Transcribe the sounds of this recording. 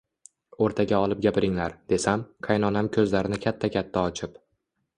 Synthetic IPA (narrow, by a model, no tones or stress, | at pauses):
oɾt̪ʰaɡʲaɒlˠɪp̚ɡʲapʰɪɾɪŋlaɾd̪̥e̞samqʰɑjnɒnamkʲʰɵzlaɾɪnɪkʲʰat̪ʰːakʲʰat̪ʰːaɒt͡ʃʰɪp